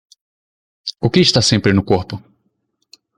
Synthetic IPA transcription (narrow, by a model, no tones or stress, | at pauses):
ʊkɪɪʃt̪asẽmpɾɪnʊkoɾpʊ